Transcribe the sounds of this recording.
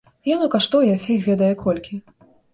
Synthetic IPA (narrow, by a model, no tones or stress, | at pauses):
janukaʂt̪ɔjɛfʲixvʲɛd̪ɐjɛkʰɔlʲkʲi